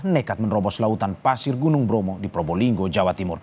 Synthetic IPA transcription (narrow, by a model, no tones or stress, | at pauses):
nɛkat̪̚mənrɔbɔslaut̪anpasirɡunuŋbɾɔmɔdipɾɔbɔliŋɡɔd͡ʒawat̪imur